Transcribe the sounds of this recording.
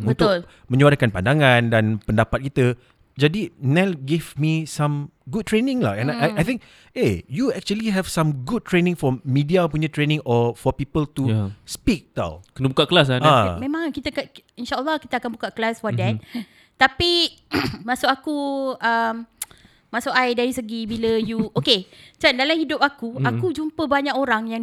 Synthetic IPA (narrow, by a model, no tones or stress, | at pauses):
unt̪ʊl | mə̃ɲuaɾakanpandaŋãndanpəndapat̪̚kit̪ə | d͡ʒadinɛlɡivmisãmɡud̚t̪ɹenɪ̃ŋla̰hɛ̃naajθɪ̃ŋk̚ | ejuɛk̚t͡ʃuəliɦɛvsãmɡud̚t̪ːɹenɪ̃ŋfɔmidiapuɲə̃t̪ɾenɪ̃ŋʔɔfɔpipəlt̪uspik̚t̪a̰wkənəbukaʔklas̬aamẽmãŋkit̪akainʃaʔəlːɔhkit̪əakanbukaʔklasfɔdɛt̪̚ | t̪ːapi | masʊʔkakuʔəm | masʊʔajdaɾisəɡibiləjuʔoket͡ʃandalamhidʊp̚akuakud͡ʒumpəbaɲakoɾaŋjaŋ